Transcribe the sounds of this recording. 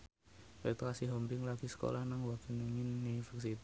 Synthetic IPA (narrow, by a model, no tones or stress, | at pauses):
wɛt̪kasiɦɔmɾɪŋlaɡ̥isə̥ko̰lahnaŋwakiniŋɪnːifɛks̬it̪